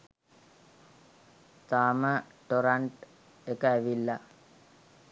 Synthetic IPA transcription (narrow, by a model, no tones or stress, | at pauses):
t̪aːməʈoɾaɳʈ | ekəæʋilːa